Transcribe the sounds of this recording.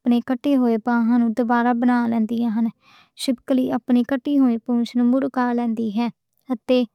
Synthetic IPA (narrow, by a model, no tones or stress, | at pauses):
pneːkəʈːeːɦoːeːpãːɦãːnũːd̪obaːɾaːbənãːlɛ̃ːnd̪iːãːɦən | ʃɪbkliːʔəpniːkəʈːiːɦoːiːpũːt͡ʃnũːmʊɽkaɾlɛ̃ːnd̪iːɦɛː | ət̪eː